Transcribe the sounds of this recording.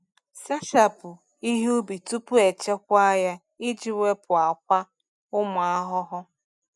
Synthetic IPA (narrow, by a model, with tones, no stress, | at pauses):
sa˦ʃa˨pʊ˨ | i˦ɦo˦bi˨tu˦pʊ˦e˨t͡ʃe˦kʷa˦ja˦ | i˦d͡ʒi˨we˦pʰʊ˨a˨kʷa˦ | ʊ˦mʊ˨a˦ɦʊ˦ɦʊ˦